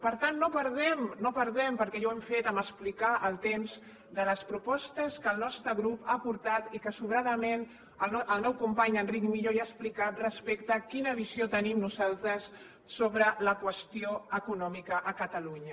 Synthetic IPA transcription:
pəɾt̪anːopəɾðɛmnopəɾðɛmpəɾkɛʒowɛmfet̪əməsplikaʔəlˠt̪emz | d̪ələspɾupɔst̪əskəlˠnɔst̪ɾəɣɾupapuɾt̪at̪ikəsuβɾaðəmen | əlʔəlˠnɔwkumpaɲənrikmiʎoiaəsplikat̪̚rəspɛkt̪əkinəβiziot̪ənimnuzalˠt̪ɾəsː | oβɾələkwəst̪ioəkunɔmikəʔəkət̪əluɲə

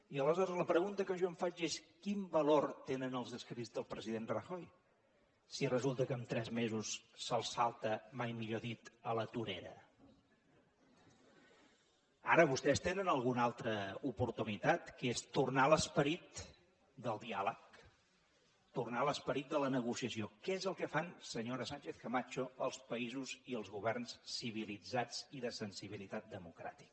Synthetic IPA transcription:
iələzɔɾəzləpɾəɣunt̪əkəʒoəɱfad͡ʒeskimbəlort̪enənəlˠzðəskɾid͡zðəlˠpɾəziðenrəxoj | sirəzulˠt̪əkəmt̪ɾɛzmezusːəlˠsalˠt̪əmajmiʎoðit̪ələt̪uɾeɾə̰ | a̰ɾəβust̪ɛst̪enənəlˠɣunalˠt̪ɾəupuɾt̪unit̪at̪kest̪urnaləspəɾit̪ | d̪əlˠd̪ialək̚ | t̪urnaləspəɾit̪̚d̪ələnəɣ̞usiəsiokɛezəlˠkəfansəɲoɾəsanʲt͡ʃeθkəmat͡ʃoəlˠspəizuziəlˠzɣuβɛrnssːiβ̞ilid͡zad͡ziðəsənsiβ̞ilit̪at̪̚d̪əmukɾa̰t̪i̥kə

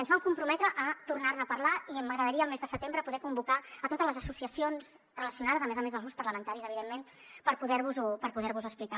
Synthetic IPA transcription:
ənzβamkumpɾumɛt̪ɾəʔːt̪urnarnəːpərlaiəmːəɣɾəðəɾiəːlˠmezðəsət̪embɾəpuðɛkumbukaət̪ot̪əzləzəsusiəsionz | rələsiunaðəzəmezəmẽnzðəlˠɣɾuspəɾləmənt̪aɾizəβ̞iðemːen | pəɾpuðɛɾβuzɔpəɾpuðɛɾβuzəsplika

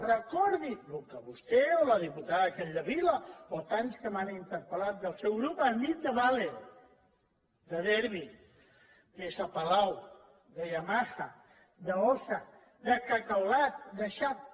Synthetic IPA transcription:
rəkɔɾðilukəβust̪eoləðiput̪aðəkɛʎd̪əβiləot̪anskəmanint̪əɾpəlat̪̚d̪əlˠsɛwɣɾupənit̪̚d̪əβale | d̪əðɛɾβi | kesapəlaw | d̪əjamaxa | d̪əosa | d̪əkəkawlat̪̚d̪əʃat̪̚

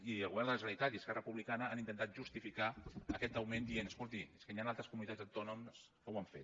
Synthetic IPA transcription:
iəlˠɣuβɛrnd̪ələzrənit̪at̪iəskɛrəpuβlikanəanint̪ənt̪at̪ʒust̪ifikaəkɛt̪əwmend̪ienəskulˠt̪ieskənianalˠt̪ɾəskumunit̪ad͡zəwt̪ɔnums | kəwaɱfet̪

